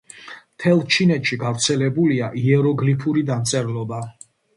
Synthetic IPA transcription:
mt̪ʰɛlˠt͡ʃʰinɛt̪ʃiɡavɾt̪sʰɛlɛbuliaʔiɛɾɔɡlipʰuɾid̪amt̪sʼɛɾlˠɔba

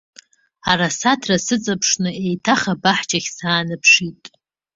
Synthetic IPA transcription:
arasatʰrasɨt͡sʼapʰʂnɨejtʰaχabaħt͡ʃʼaχʲsaːnɨpʰʂitʼ

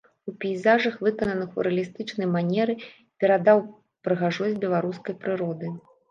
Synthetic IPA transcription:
upʲijzaʐɐxvɨkɐnɐnɨxṵɾɐlʲist̪ɨt͡ʂnɐjmanʲɛɾɨ | pʲɛɾad̪aw | pɾɨɣaʐɔzʲbʲɛlˠaɾuskɐjpɾɨɾɔd̪ɨ

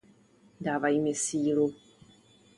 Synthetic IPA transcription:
daːvajmɛsiːlu

